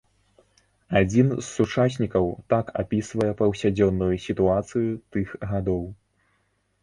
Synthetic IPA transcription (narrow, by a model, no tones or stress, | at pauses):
ad͡zʲinzːut͡ʂasʲnʲikɐwt̪aka̰pʲisvɐjɛpɐwsʲad͡zʲɔnːujusʲit̪uat̪sɨjit̪ɨxɣad̪ɔw